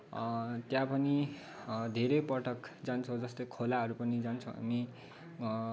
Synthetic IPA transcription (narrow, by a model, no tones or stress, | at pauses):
t̪jãpʌni | d̪ʱeɾʌjpʌʈʌkd͡zant͡sʰod͡zʌst̪ʌjkʰolaɦʌɾupʌnid͡zant͡sʰʌ̃ɦa̰mi